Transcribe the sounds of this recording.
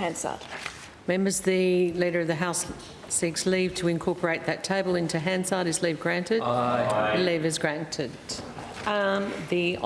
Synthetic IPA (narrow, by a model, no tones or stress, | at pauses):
æ̃nsɑ̰d̥ | mɛ̃mbə˞zðɨliɾə˞ʌvðɨɦaʊs | sɪksliv̥tʰɨɨ̃nkʰɔɹpʰə˞eɪt̪̚ðɨtʰeɪbəl̩ˠɪ̃ntʰʉɦæ̃nsɑɾɨzlivɡɹæ̃ntɨdɨlivɨzɡɹæ̃ntʰɪd | ði